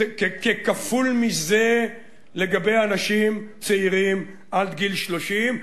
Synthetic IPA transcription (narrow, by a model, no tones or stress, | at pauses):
kekekafulmize | le̞ɡabejanaʃimt͡seiʁim | ʔad̪ɡilʃlo̞ʃim